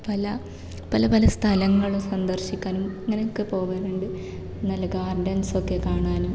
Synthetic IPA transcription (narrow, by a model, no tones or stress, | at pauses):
pɐlɐ | pɐlɐpɐlɐst̪ʰɐlɐŋːɐɭosɐnd̪ɐrɕikʲːaːnumɐŋːɐnejokːɨpo̞ːʋɐɾuɳɖɨ | nɐlɐɡaːrɖɐnso̞kːe̞kaːɳaːnum